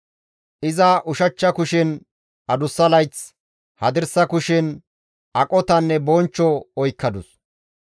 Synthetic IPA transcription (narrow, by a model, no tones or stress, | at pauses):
ʔɪzɐʔʊʃɐt͡ʃːɐkʊʃɪn | ʔɐd̪ʊsːɐlɐjt͡s | hɐd̪ɪɾsɐkʊʃɪn | ʔɐkʼɔt̪ɐnːɛbɔnt͡ʃːɔɔjkːɐd̪ʊ̰s